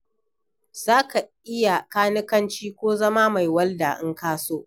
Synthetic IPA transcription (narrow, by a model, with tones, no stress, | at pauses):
z̥aː˦ka˨ʔɪ˦ja˨kaː˦nɪ˦kɐ˦nt͡ʃiː˦kʷoː˦zɐ˦maː˦ma˨jwɐ˦lda˨ʔɪ˦ŋkaː˦soː˦ʔ